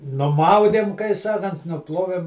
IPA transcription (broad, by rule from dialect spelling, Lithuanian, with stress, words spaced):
nʊˈmɐʊdʲeːm kɐɪ ˈsɑːkɐnt nʊˈplˠoːʋʲeːm